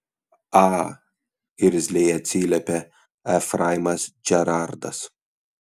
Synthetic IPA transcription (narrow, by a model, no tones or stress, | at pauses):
ɑː | ɪɾʲzʲlʲɛjɛt̪ʲsʲiːlʲɛpʲɛ | æfɾajmɐsd͡ʒʲɛɾaɾd̪ɐ̰s